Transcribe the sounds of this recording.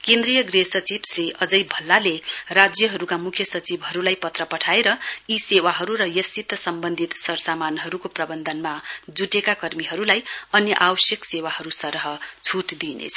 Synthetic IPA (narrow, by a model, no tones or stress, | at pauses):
kẽnd̪rijʌɡrisʌt͡sibsriʌd͡zʌjbʱʌlːalerad͡zjʌɦʌɾukamukʰjʌsʌt͡sibɦʌɾulajpʌt̪rʌpʌʈʰaeɾʌisewaɦʌɾuɾʌjʌsit̪ːʌsʌmbʌnd̪ʱit̪sʌɾsamanɦʌɾukoprʌbʌnd̪ʱʌnmad͡zuʈekakʌrmiɦʌɾulajʌnjʌʔawʌsjʌksewahʌɾusʌɾɦʌt͡sʰuʈd̪inḛt͡sʰʌ